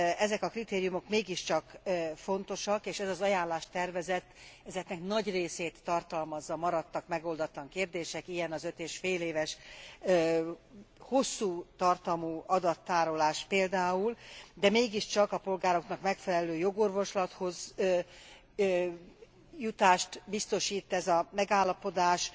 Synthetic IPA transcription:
ɛzɛkɒkrit̪eːɾijumo̞kmeːɡiʃt͡ʃɒkːfo̞nt̪o̞ʃɒkeːʃɛzɒzɒjaːnlaːʃt̪ɛrvɛzɛt̪ːɛzɛknɛknɒɟreːseːt̪ːɒrt̪ɒlmɒzːɒmɒɾɒt̪ːɒkmɛɡo̞ld̪ɒt̪lɒŋkeːrd̪eːʃɛkijɛnɒzøt̪eːʃfeːleːvɛʃ | ho̞sːuːt̪ɒrt̪ɒmuːɒd̪ɒt̪ːaːɾo̞laːʃpeːld̪aːuld̪ɛmeːɡiʃt͡ʃɒkɒpo̞lɡaːɾo̞knɒkmɛkfɛlɛløːjo̞ɡo̞rvo̞ʃlɒt̪ho̞z | jut̪aːʃt̪bist̪o̞ʃiːt̪ːɛzɒmɛɡaːlːɒpo̞d̪aːʃ

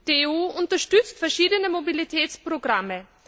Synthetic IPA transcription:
d̥euːʔʊntɐʃtʏt͡stfɛɐʃiːdənəmobilitʰɛːt͡spʁoɡʁamə

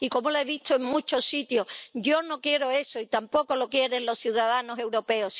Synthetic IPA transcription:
iko̞moloeβ̞it̪oeŋmut͡ʃo̞sːit̪joɟ͡ʝo̞no̞kje̞ɾo̞e̞so̞it̪ampo̞ko̞lo̞kje̞ɾe̞nlo̞sθjuðaðano̞se̞wɾo̞pe̞os

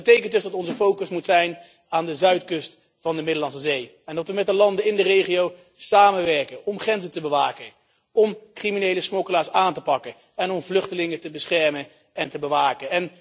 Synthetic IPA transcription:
bətejkənt̚dɵsdɑtɔnzəfowkəsmutsɛjn | aːndəzœɥtkɵst | fɑndəmɪdəlɑns̬əzej | ɛndɑtʋəmɛt̚dəlɑndənɪndərejχiow | saːmənʋɛɹkənɔmχrɛnzətəbəʋaːkən | ɔmkriminejləsmɔkəlaːɹsaːntəpɑkə | ɛnɔmvlɵχtəlɪŋətəbəsχɛɹmən | ɛntəbəʋaːkənɛn

